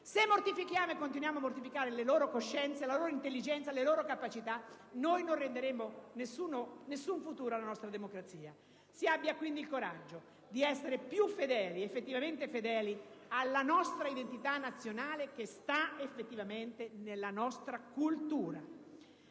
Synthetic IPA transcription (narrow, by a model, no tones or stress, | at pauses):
semːort̪ifikjaːmoekːont̪̬inwjaːmoamːort̪ifikaːɾeleloːɾokoʃːɛnt̪selaloːɾoint̪elːid͡ʒɛnt̪saleloːɾokapat͡ʃit̪a | nojnorːend̪eɾemonesːuːnonesːuɱfut̪uːɾoalanɔst̪ɾad̪emokɾat̪siːa | siabːjakwind̪ilkoɾad͡ʒːo | d̪iɛsːeɾepjufːed̪ɛːliefːet̪ːivament̪efed̪ɛːlialːanɔst̪ɾaid̪ent̪it̪anːat̪sːjonaːlek̟est̪aefːet̪ːivament̪enelːanɔst̪ɾakult̪uːɾa